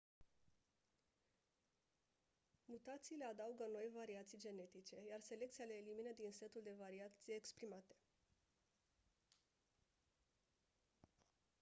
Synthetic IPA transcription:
mut̪at̪siːle̞ad̪auɡəno̞jvaɾiat̪sijd͡ʒe̞ne̞t̪it͡ʃe̞jarse̞le̞k̚t̪sijale̞ːliminəd̪inse̞t̪uld̪e̞vaɾiat̪sijeːkspɾimat̪e̞̥

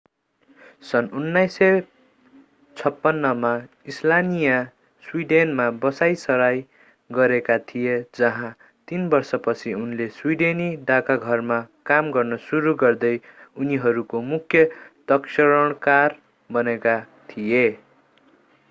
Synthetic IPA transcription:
sʌnunːajsʌ | t͡sʰʌpːʌnːʌma | islanija | swiɖenmabʌsajsʌɾaj | ɡʌɾekat̪ʰijed͡zʌɦã | t̪inbʌrsʌpʌt͡sʰiunleswiɖeniɖakaɡʱʌrmakamɡʌrnʌsuɾuɡʌrd̪ʌjuniɦʌɾukomukʰjʌd̪ʌksʌɾʌɽ̃kar | bʌneka | t̪ʰije

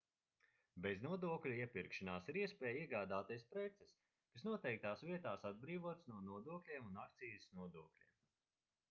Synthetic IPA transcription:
beznuɔd̪uɔklʲuiɛpiɾkʃanaːsiɾiɛspʲɛːjiɛɡaːd̪aːt̪ɛjspɾɛt̪sɛs | kasnuɔt̪ɛjk̚t̪aːsviɛt̪aːsad̪̚bɾiːvuɔt̪snuɔnuɔd̪uɔklʲiɛmunakt̪siːjisnuɔd̪uɔklʲḭːm

